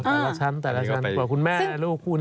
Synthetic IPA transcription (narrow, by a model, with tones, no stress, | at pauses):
t̪ɛː˧˨˩la˦˥t͡ɕʰa˦˥˨nt̪ɛː˨˩la˦˥t͡ɕʰa˦˥nwaː˨˩kʰu˧nmɛː˥˩na˧loː˥˩kʰːuː˥˩n